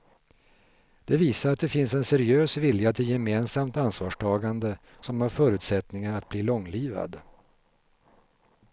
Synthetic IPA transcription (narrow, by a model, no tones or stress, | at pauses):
d̪̥ɛviːsaɾat̪̚d̪ɛfɪnsɛnsɛɾɪøːsvɪljat̪ʰɪljɛmeːnsamt̪ansvɑːʂʈʰɑːɡand̪ə | sɔmhaɾfœːɾʉ̟ːt̪sɛt̪nɪŋaɾat̪̚bliːlɔŋːliːva̰d̪